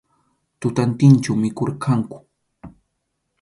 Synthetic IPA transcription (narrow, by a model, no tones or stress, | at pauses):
t̪ʊt̪ant̪ɪnt͡ʃawmɪkoɾkʰaŋkʊ̥